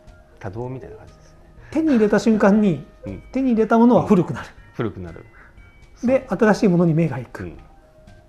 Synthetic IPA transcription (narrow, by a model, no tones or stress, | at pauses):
t̪ad̪oːmʲit̪ajnakãd͡ʑid̪̥eset̪e̞ɲ̟iːɾe̞t̪aɕɨ̃ŋkãɲ̟ːit̪e̞ɲ̟iːɾe̞t̪amo̞no̞βaɸɯ̟ɾɯ̟kɯ̟naɾɯ̟̥ɸɯ̟ɾɯkɯ̟naɾɯ̰ | d̪e̞ʔat̪aɾaɕiːmo̞noɲ̟ime̞ːɡaikɯ̥